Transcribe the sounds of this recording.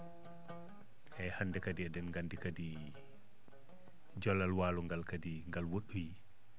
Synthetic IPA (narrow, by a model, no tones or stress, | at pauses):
ʔɛhandɛkadiɛdɛnŋɡandikadi | d͡ʒɔlːalwaːlɔŋɡalkadiŋɡalwoɗːuji